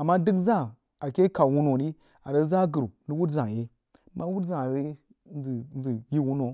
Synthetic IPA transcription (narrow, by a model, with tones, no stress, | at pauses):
a˨mːa˦di˦kza˦˨ | a˨ke˦ka˨wu˦no˨ni˦ | a˨ɾə˦za˦ɡə˨ɾni˦wu˦tzã˨je˦ | ma˦wu˦tzã˨we˦ | i˨n˦zi˨ji˦wu˦no˨